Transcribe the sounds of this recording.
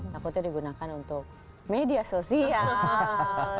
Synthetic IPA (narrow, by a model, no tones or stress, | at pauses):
akot̪eɾiɡunakanount̪o | med̪jasosia